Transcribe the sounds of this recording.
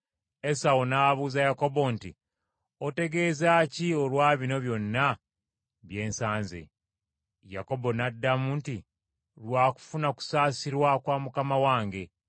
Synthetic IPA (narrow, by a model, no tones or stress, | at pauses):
e̞sawonaβuːzajako̞bo̞ntḭ | ote̞ɡe̞zaciolwaːβino̞βjo̞nːa | βje̞ːnsaːnzḛ | ja̰ko̞bo̞nadːamunti | ɾwaːku̥funaku̥saːsiɾwakwamukamawaːŋɡe̞